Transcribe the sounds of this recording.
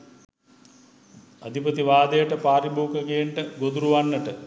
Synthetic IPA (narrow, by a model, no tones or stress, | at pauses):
a̰d̪ʱipət̪iʋaːd̪əjəʈəpaːɾibuːkəkijeɳʈəɡod̪uɾuʋanːəʈə